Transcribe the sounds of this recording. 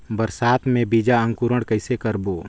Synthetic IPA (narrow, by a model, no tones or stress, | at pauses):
bəɾsaːt̪ʰmẽbid͡ʒaə̃ŋkuɾəɽkəɪsekəɾboː